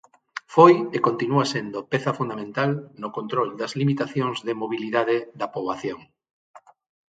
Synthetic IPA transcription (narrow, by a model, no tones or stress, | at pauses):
fojekont̪inuasend̪opɛθɐfund̪amẽnt̪alnokont̪ɾold̪ɐzlimit̪aθjoŋzðɪmoβ̞iliðaðɪðɐpoβaθjoŋ